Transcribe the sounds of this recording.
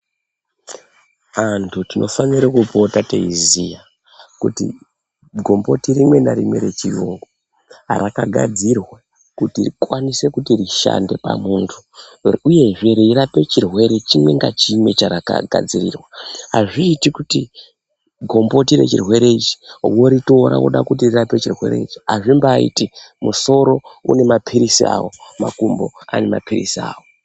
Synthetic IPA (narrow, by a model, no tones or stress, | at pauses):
antʰutinʔo̞fanirakupo̞tatḛizija | kutḭ | ɡʱo̞mbo̞tirimwe̞naɾimweɾe̞t͡ʃijuŋɡo | a̰ɾakaɡʱa̰d͡zirwa | kutikwanise̞kutiriʃa̰nde̞pa̰muntʰuuje̞ʐeɾeirape̞t͡ʃirwe̞ɾe̞t͡ʃimwe̞ŋɡa̰t͡ʃime̞t͡ʃaɾaka̰ɡʱa̰d͡zirḭrwaɦaʐiːtikuti | ɡʱo̞mbo̞tire̞̰t͡ʃirwe̞ɾe̞it͡ʃi̥wo̞ɾito̞ɾa̰wo̞̰ɗa̰kut̬irirape̞t͡ʃirwe̞̰ɾe̞̰it͡ʃi̥ɦa̰ʐimbaːḭtimuso̞ɾo̞ṵne̞mapʰiɾisia̰ːwomakumbo̞̰ane̞mapʰirḭsia̰ːwo